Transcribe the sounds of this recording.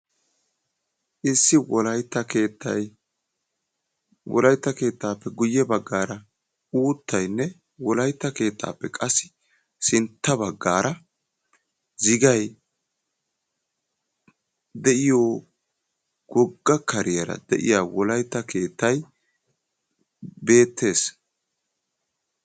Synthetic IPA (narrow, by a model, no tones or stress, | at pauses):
ʔɪsːɪwɔlɐjt̪ːɐkːt̪ːɐj | wɔ̰lɐjt̪ːɐke̞ːt̪ːaːpːɛɡʊjːɛbɐɡːaːɾɐ | uːt̪ːɐjnːɛ | wɔlɐjt̪ːɐke̞ːt̪ʰːa̰ːpːɛkʼɐsːɪ̥ | sɪnt̪ːɐbɐɡːaːɾʔɐ | zɪɡɐj | d̪ɛʔɪjoː | ɡ̥ɔɡːɐkʰɐɾɪjɐɾɐ̰d̪̥ɛ̰ʔɪ̰jaːwɔlɐjt̪ːɐke̞ːt̪ʰːɐj | be̞ːt̪ːe̞ːs